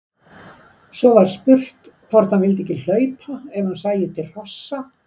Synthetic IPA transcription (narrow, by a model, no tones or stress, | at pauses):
sɔvaɾ̥spʏr̥t̪kʰvɔr̥t̪hanvɪlt̪̬ɛhcɪl̥œːɥpʰaɛvhansaːjɪt̪ʰɪlr̥ɔsːa